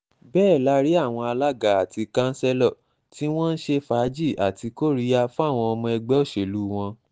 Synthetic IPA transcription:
bɛː˦˨la˦ɾi˦a˦˨w̃ɔ̃˧a˧la˦ɡa˨a˨ti˧kã˦n̩˦sɛ˦lɔ˦˨ | ti˦w̃ɔ̃˦n̩˦ʃe˧fa˨˦d͡ʒi˦˨ʔa˨ti˧ko˦˨ɾi˦a˧fũ˦a˦˨w̃ɔ̃˧ɔ˧mɔ̃˧ɛ˧ɡ͡bɛ˦ɔ˦˨ʃe˨lu˦w̃ɔ̃˧

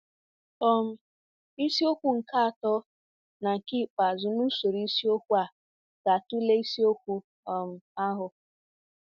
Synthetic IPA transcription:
ɔ˦m̩˨ | i˦si˦o˦kʷu˨ŋ̩˨ka˦a˨tɔ˦ | na˨ŋ̩˨ki˦˨k͡pa˨zʊ˨nu˦so˨ɾi˦i˦si˦o˦kʷu˦a˨ | ɡ̥a˨tu˦le˦i˦si˦o˦kʷu˦ | ɔ˨m̩˨a˦ɦʊ˨

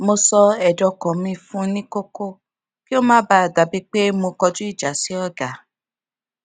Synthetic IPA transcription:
mo˧sɔ˧ɛ˨dɔ˨˧kɔ̃˨mĩ˧fũ˦nĩ˦ko˦ko˦ | ki˦o˦mãː˦ba˦a˨da˨˦bi˦k͡pe˦mo˧kɔ˧d͡ʒũ˦i˦˨d͡ʒa˨˦si˨˦ɔ˦˨ɡa˨

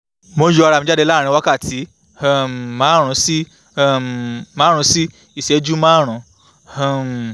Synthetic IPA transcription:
mo˧jo˧a˧ɾa˨mĩ˧˦d͡ʒa˦dɛ˧la˦˨ɾĩ˧˦wa˦ka˦˨ti˨˦˨ | m˨mːãː˨˦ɾ̃ũ˨˧˦si˦ | mãː˨˦ɾũ˧˦si˦ | i˦˨ʃe˨˦d͡ʒu˦mãː˦ɾ̃ũ˨˧˦ | m

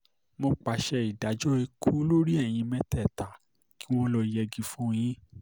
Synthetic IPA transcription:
mo˧k͡pa˨ʃɛ˧i˨da˨˦d͡ʒɔ˦e˧kʰu˦lo˦ɾi˦ɛ˦˨j̃ĩ˧mɛ̃˧˦tɛ˦˨ta˨ | ki˦w̃ɔ̃˦lɔ˧i˧jɛ˧ɡi˧fũ˦˧j̃ĩ˦

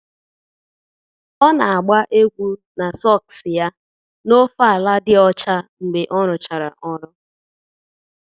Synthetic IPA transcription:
ɔ˦na˨a˨ɡ͡ba˦ʔe˦ɡʷu˦ | na˨sɔ˦˨ksɪ˨ja˦ | no˦fa˦a˨la˦dɪ˦ɔ˦t͡ʃa˦ŋ͡m̩˨ɡ͡be˨ʔɔ˦ɾʊ˨t͡ʃa˨ɾa̰˨ʔɔ˦ɾʊ˦

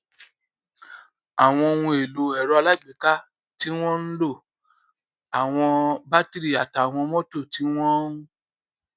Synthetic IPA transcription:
a˨w̃ɔ̃˧wũ˧e˨lo˨ɛ˨ɾɔ˨˧a˧la˦˨ɡ͡bi˨ka˦ | ti˦w̃ɔ̃˦n̩˦lo˦˨ | a˨w̃ɔ̃˧ba˦ti˦ɾi˦˨a˨ta˨w̃ɔ̃˧mɔ̃˦to˦˨ti˨˦w̃ɔ̃˦ũ˦

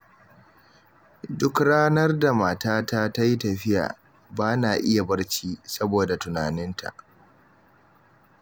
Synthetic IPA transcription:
dʊ˦kɽaː˦nɐ˦rda˨maː˨taː˦ta˦ta˦ji˦tɐ˨ɸɪ˦ja̰ː˨ | baː˦naː˨ʔɪ˦ja˨bɐ˦rt͡ʃiː˦sɐ˦boː˨da˨tʊ˨naː˨nɪ˦ntʰa̰˨ʔ

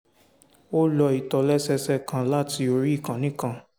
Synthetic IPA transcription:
o˦lɔ˧i˨tɔ˧lɛ˦sɛ˦sɛ˦kã˧la˦ti˧o˧ɾi˦i˦˨kã˨nĩ˦kã˧

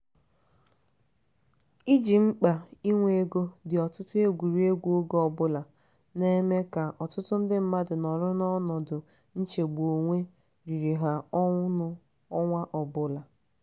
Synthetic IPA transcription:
i˦d͡ʒi˨ŋ͡m̩˦k͡pa˨i˦ŋʷe˦e˦ɡo˦dɪ˨ɔ˨tʊ˦tʊ˦e˦ɡʷu˨ɾi˦e˦ɡʷu˦o˦ɡɔ˨bʊ˦la˨ | ne˦me˦ka˨ʔɔ˨tʊ˦tʊ˦n̩˦dɪ˦m̩˦ma˦dʊ˨nɔ˨ɾʊ˦nɔ˦nɔ˨dʊ˨ | n̩˦t͡ʃe˨ɡ͡bo˨ŋʷe˦ | ɾi˨ɾi˨ɦa˨ɔ˦ŋʷʊ˦nʊ˦ | ɔ˦ŋʷa˦ʔɔ˨bʊ˦la˨

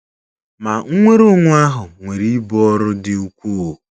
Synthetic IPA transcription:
ma˨ŋ̩˦ŋʷe˦ɾʊ˦ŋʷʊ˦a˦ɦʊ˨ŋʷe˨ɾi˦i˦bɔ˦ɔ˦ɾʊ˦dɪ˨u˦kʷu˦o˨

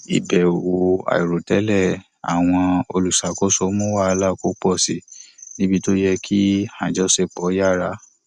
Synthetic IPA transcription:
ḭ˨bɛ˨o˨wo˨a̰˨i˨ɾo˨tɛ˨˦lɛ˦˨ | a̰˨w̃ɔ̃˧o˧lu˨sa˨˦ko˦sɔ˧˦mũ˦wa˦˨˧la˦˨ko˦k͡pɔ˦˨si˨nĩ˨˦bi˧to˦jɛ˧kʰi˦hã˨d͡ʒɔ˦se˧k͡pɔ˨˦ja˦ɾa˧˦

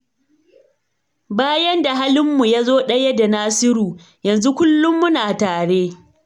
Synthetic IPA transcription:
baː˦jɐ˦nda˨ɦaː˦lɪ˦mːu˨ja˦zoː˦ɗɐ˦jɐ˦da˨naː˦sɪ˦ɾuː˨ | jɐ˨nzu˦kʷʊ˦lːʊ˦mːʊ˦naː˨taː˨ɽeː˦

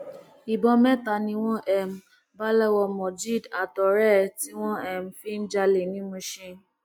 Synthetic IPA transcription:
i˨bɔ˧mɛ̃˦ta˨nĩ˧w̃ɔ̃˦ʔɛ˦˨m̩˨ | ba˦lɛ˦wɔ˧mɔ˨d͡ʒi˦˨da˨tɔ˨ɾɛ˦ti˦w̃ɔ̃˦ɛ˦˨m̩˨fi˦n̩˦d͡ʒa˧le˨nĩ˦mũ˧ʃĩ˧˦

